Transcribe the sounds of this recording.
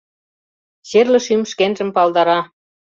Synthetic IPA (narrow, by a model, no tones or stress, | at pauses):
ɕerlə̆ʃymʃkenʒə̆mpɑld̪ɑɾɑ